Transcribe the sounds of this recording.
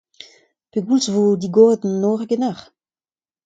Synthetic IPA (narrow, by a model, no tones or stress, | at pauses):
peɡulsvod̪iɡoːʁəd̪nnoːʁɡenaχ